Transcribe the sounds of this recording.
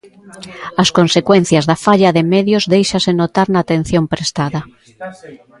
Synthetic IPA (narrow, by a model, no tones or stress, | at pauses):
ɐskonsekwen̟θjɐzðɐfaʎɐðemeðjozðejʃasɪnot̪aɾnaːt̪en̟θjompɾest̪aðɐ